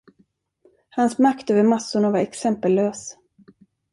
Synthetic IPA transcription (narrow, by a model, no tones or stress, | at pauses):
hansmakt̪øːvəɾmasːʊɳavaɾɛksɛmpəlvøːs